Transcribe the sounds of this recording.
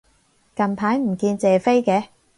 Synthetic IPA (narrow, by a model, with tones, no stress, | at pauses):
kɐ˨mpʰaː˨˥jm̩˨˩kiː˧nt͡sɛː˨fe˥jkɛː˨˧